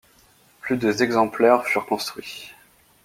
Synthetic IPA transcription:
plyd̪əzɛɡzɑ̃plɛʁfyʁkɔ̃st̪χɥi

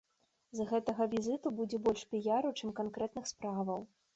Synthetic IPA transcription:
zɣɛt̪ɐɣɐvʲizɨt̪ubud͡zʲɛbɔlʲʂpʲijaɾut͡ʂɨmkankɾɛt̪nɨxspɾavɐw

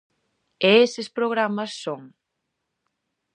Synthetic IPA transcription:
eesespɾoɣɾamɐsːoŋ

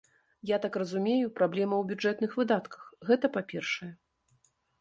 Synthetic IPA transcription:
jat̪akrɐzumʲejupɾablʲɛmɐwbʲud͡ʐɛt̪nɨxvɨd̪at̪kɐ̥xɣɛt̪ɐpapʲɛrʂɐjɛ

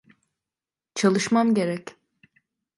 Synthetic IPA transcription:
t͡ʃʰalˠɯʃmamɟe̞ɾɛc

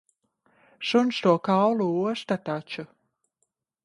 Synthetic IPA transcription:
ʃunʃt̪uɔkawlˠuuɔst̪at̪at͡ʃu

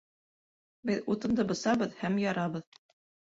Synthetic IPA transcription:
bɘðut̪ɤ̆md̪ɤbɤ̆sɑβɤðhæmjɑɾɑβɤð

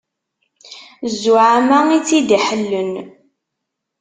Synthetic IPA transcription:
zːuʕamæit͡sːid̪iħəlːən

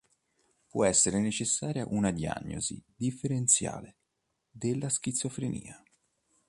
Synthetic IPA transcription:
pwɔɛsːeɾenet͡ʃesːaːɾjaʔunad̪ia̰ɲːo̰zḭd̪ifːeɾent̪sja̰ːle | d̪elːask̟it̪sːofɾenḭːa

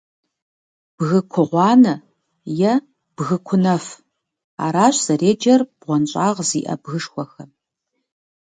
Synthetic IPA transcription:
b̥ɣɨkʷʰʊʁʷɑːnɐ | jɛ | b̥ɣɨkʷʰʊnɐf | a̰ːɾaːɕz̥ɐreːd͡ʒɐrb̥ʁʷɔnɕʼaːʁzḭːʔɐ̰bɣɨʂxʷɔxɐ

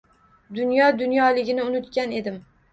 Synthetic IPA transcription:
d̪ʊnjɒd̪ʊnjɒlɪɡʲɪnɪʊnʊt̪kʲane̞d̪ɪm

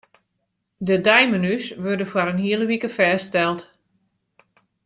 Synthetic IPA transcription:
dədajmənysʋørdəfaɾənhiələʋikəfɛːstɛlˠt

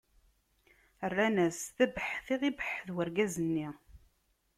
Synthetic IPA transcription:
ərːænæsθæbəħθiʁibəħðwəɾɡæzənːi

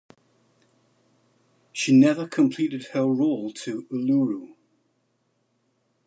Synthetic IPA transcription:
ʃinɛvəkʰə̃mpʰl̥iˑtɪd̥̚həɹoʊlˠtʰəəluɹu

